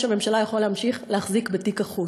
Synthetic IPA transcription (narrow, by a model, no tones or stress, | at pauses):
ʃame̞mʃalajaχolehamʃiχlehaχzikbetikaχu